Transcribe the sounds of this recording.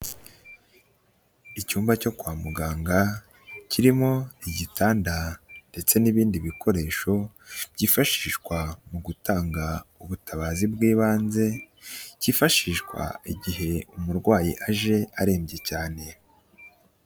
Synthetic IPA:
icuːmbaco̞kwaːmuɡaːŋɡa | ciɾimo̞iɟitaːndande̞t͡se̞niβiːndiβikʰo̞ɾe̞ːʃo̞b̥ɟiːfaʃiːʃɡwamuɡutaːŋɡauβutaβaːzibɡiːβaːnze̞ | ciːfaʃiːʃkwa̰iɟiɦe̞umuɾɡwaːjiʔaʒe̞aɾe̞ːmbɟe̞caːne̞

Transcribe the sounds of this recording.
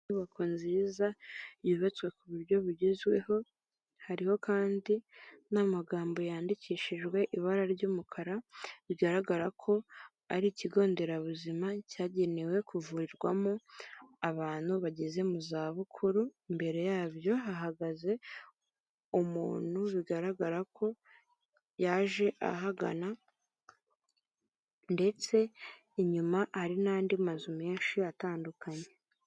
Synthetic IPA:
uβakʰonziːzajiβat͡skwe̞kuβuɾɟo̞βiɟezwe̞̰ho̞ | haɾiho̞kaːndinamaɡaːmbo̞jaːndiciːʃiʒɡwe̞ʔiβaɾaɾɟuːmukʰaɾaβiɡaɾaɡaɾakʰo̞ | aɾiciɡo̞ːnde̞ɾaβuzimacaːɟe̞newe̞kuvuɾiɾɡwamoaβaːn̥huβaɟeze̞muzaːβukʰuɾuimbe̞ɾe̞jaːβjo̞ɦaɦaɡaze̞ | umṵːn̥huβiɡaɾaɡaɾakʰo̞ | jaːʒe̞ʔa̰ɦaɡa̰na | nde̞t͡se̞ | iɲumahaɾinaːndimazumenʃiataːndukʰaɲe̞

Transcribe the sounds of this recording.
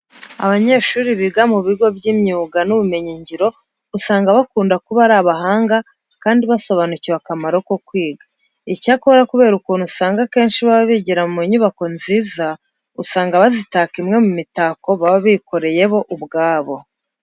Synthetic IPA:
a̰βaɲe̞ʃuːɾiβiɡamuβiɡo̞bɟiːmɲuːɡanuβume̞ɲiɲɟiɾo̞ | usaːŋɡaβakuːndakuβaɾaβaɦaːŋɡa | kaːndiβaso̞βanuciβakamaɾo̞ko̞kwiːɡa | icakoɾakuβe̞ːɾukunusaːŋɡake̞ːnʃiβaβaβiɟiɾamumeɲuβako̞nziːza | usaːŋɡaβazitaːkimŋe̞mumitaːko̞βaβaβiko̞ɾe̞je̞βo̞ʔubɡaːβo̞

